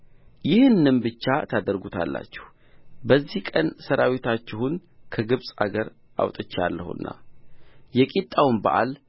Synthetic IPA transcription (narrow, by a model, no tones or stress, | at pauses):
jɪhɨnːɨnbɨt͡ʃːat̪ʰad̪əɾɡut̪ʰa̰lːa̰t͡ʃːɛ̥h | bəzːihkʼənsəɾʔawit̪ʰat͡ʃːɪhunkʰəɡɨβsʼaɡəɾ | ʔa̰wt̪ʼɨt͡ʃːalːəhṵnːa̰ | jɛkʼit̪ʼːawnbə̰ʔal